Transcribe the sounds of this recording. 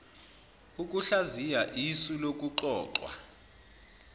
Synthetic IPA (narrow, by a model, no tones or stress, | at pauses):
uk̬ʼuɬazijaʔisulok̬ʼuǃɔːǃwa̰